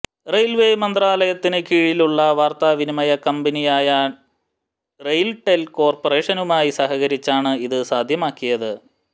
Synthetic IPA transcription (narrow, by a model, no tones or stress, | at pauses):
rejlʋeːjmɐnd̪raːlɐjɐt̪ːinɨkiːɻiluɭːɐʋaːrt̪aːʋinimɐjɐkɐmbɐnijaːja | rejlʈːelko̞ːrpore̞ːʂɐnumaːjisɐɦɐɣɐɾit͡ɕːaːɳɨiðɨsaːd̪ʱjɐmaːkːijɐðɨ